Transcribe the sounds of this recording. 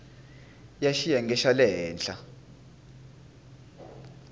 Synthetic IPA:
jaʃijaŋɡɛʃalɛɦɛːnɬʼa

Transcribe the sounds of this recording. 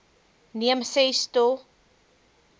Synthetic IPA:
niəmsɛsto

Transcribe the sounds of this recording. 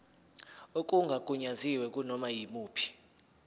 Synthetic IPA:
ok̬ʼuŋɡʱakʼuɲaziwɛk̬ʼunɔmajimuːpʰi̥

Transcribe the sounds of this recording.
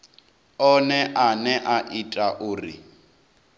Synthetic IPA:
ɔnɛʔanɛʔaʔitʼaʔʊːrḭ

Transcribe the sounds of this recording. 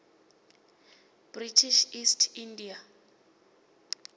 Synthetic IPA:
b̥ritʰiʃistʰindia

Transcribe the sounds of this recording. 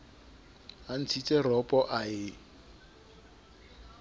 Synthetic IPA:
an̩t͡sʰit͡sʼɛrɔpʼɔʔaɪ

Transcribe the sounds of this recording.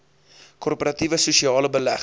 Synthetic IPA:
kɔrpoɾɐtivəsuʃiɑːləbəlæχ

